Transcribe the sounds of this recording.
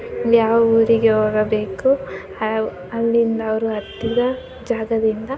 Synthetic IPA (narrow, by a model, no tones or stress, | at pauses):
jaːʋɐuːɾiɡeɦoːɡɐbe̞ːku | ɐlːind̪ɐːʋɐɾuɐt̪ːid̪ɐ | d͡ʒaːɡɐd̪ind̪ɐ